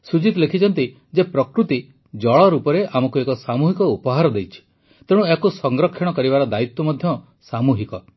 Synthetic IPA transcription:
sud͡ʒit̪lekʰit͡ʃʰɔnt̪i | d͡ʒepɾɔkɾut̪i | d͡ʒɔɭɔɾupɔɾeʔamɔkuekɔsamuɦikɔupɔɦaɾɔd̪ejt͡ʃʰi̥ | t̪ẽũekusɔŋɡɾɔkʰːɔɽ̃ɔkɔɾibaɾɔd̪ait̪wɔmɔd̪ʱjɔ | samuɦikɔ

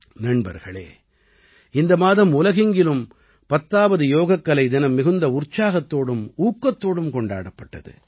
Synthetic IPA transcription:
nɐɳbɐ̰ɾɣɐɭḛː | ɪnd̪ɐmaːðɐmʊlɐɣɪŋɡɪlɯm | pɐt̪ːaːʋɐðɯjoːɣɐkːɐlɐɪd̪ɪnɐmːɪɣɯnd̪ɐʊrt͡ʃaːɣɐt̪ːoːɽɯmuːkːɐt̪ːoːɽɯmkɔɳɖa̰ːɽɐpːɐʈːɐ̰ðɯ̰

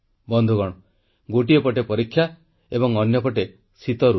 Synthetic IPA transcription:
bɔnd̪ʱuɡɔɽ̃ɔ | ɡoʈiepɔʈepɔɾikʰːja | ebɔŋɔnjɔpɔʈe | sit̪ɔɾu

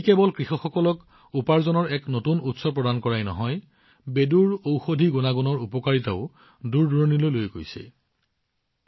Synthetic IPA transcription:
ikɛbɔlkɹixɔxɔkɔlɔk | upaɹzɔnɔɹɛknotunutsɔpɹɔdankɔɹajnɔ̰ɦɔj | beduɹowxodʱiɡunaɡɔnɔɹupɔkaɹitaʊ | duɹduɹnilojlojɡo̰jsɛ̰

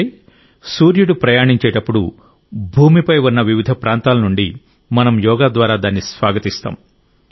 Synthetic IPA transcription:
j | suːɾjuɽupɾɐjaːɳiɲt͡ʃɛːʈɐpːuɽṵ | bʱuːmipɐjunːɐʋiʋid̪ʱɐpɾaːnt̪aːlɐnuɳɖi | mɐnɐmjɔːɡaːd̪ʋaːɾaːd̪aːnːisʋaːɡɐt̪ist̪a̰ːm

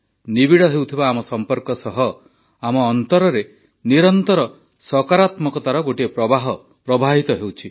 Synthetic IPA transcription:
nibiɽɔɦewt̪ʰibaːmɔsɔmpɔɾkɔsɔɦɔ | amɔːnt̪ɔɾɔɾe | niɾɔnt̪ɔɾɔ | sɔkaɾat̪mɔkɔt̪aɾɔɡoʈiepɾɔbaɦɔ | pɾɔbʱaɦit̪ɔɦewt͡ʃʰi

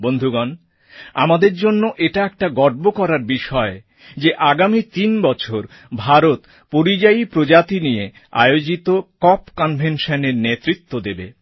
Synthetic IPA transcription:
bond̪ʱuɡan | a̰mad̪eɾd͡ʑonːoʔeʈaɛk̚ʈaɡɔɖ̚bokɔɾaɾbiʃɔe | d͡ʑeʔaɡamit̪inbɔt͡ɕʰoɾ | bʱaɾot̪ | poɾid͡ʑaipɾod͡ʑat̪inije | a̰eod͡ʑit̪okɔpkɔnbʱenʃaneɾnet̪ɾit̪ːod̪ebḛ

